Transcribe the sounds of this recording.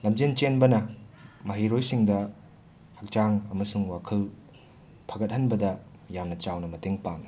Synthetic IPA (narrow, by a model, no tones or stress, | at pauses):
lɐmd͡ʒent͡ʃenbɐnɐmɐɦiɾojsiŋdɐ | hɐk̚t͡ʃaŋɐmɐsuŋwakʰɐl | pʰɐɡɐt̚hɐnbɐdɐjamnɐt͡ʃawnɐmɐteŋpaŋ